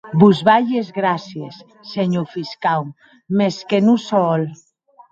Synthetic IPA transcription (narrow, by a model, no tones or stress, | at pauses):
buzβaʎezɣɾasjesː | eɲofiskaw | meskenusɔl